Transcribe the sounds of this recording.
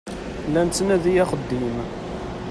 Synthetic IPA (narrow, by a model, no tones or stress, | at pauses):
lːænt͡sːnæðijæχəd̪ːim